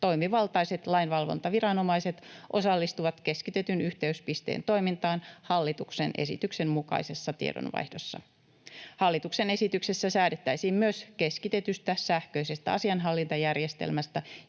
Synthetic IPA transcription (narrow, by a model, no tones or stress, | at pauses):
t̪o̞jmiʋɑlt̪ɑjse̞t̪lɑjnʋɑlʋo̞̰nt̪ɑʋiɾɑno̞mɑjset̪ʔosɑlːist̪uʋɑt̪ke̞skit̪e̞t̪ynyht̪e̞yspist̪ḛːnt̪o̞jmint̪ɑːnhɑlːit̪uksenʔe̞̰sḭt̪ykse̞mmukɑ̰jse̞sːɑt̪ḭḛdo̰nʋɑ̰jhdo̞̰sːɑ̰ | hɑlːit̪ukse̞ne̞sit̪ykse̞sːæsæːdet̪ːæjsiːmmyøske̞skit̪e̞t̪yst̪æsæhkø̞ise̞st̪æɑsiɑnɦɑlːint̪ɑjærje̞st̪ḛlmæst̪æ